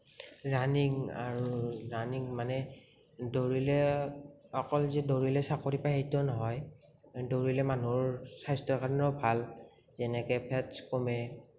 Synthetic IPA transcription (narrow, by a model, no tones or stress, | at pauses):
ɹaniŋa̰ɹuɹaniŋmanɛ | doɹilɛ | ɔkɔlzɛdoɹilɛsakoɹipajejtɔnɔɦɔj | doɹilɛmanuɹsajstɔkanɔbʱal | zɛnɛkɛpʰɛtskomɛ